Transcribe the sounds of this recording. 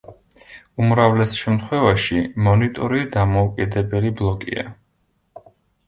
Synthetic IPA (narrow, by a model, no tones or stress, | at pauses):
umɾavlɛsʃɛmt̪ʰχwɛvaʃimɔnit̪ʼɔɾid̪amɔukʼid̪ɛbɛliblˠɔkʼḭa̰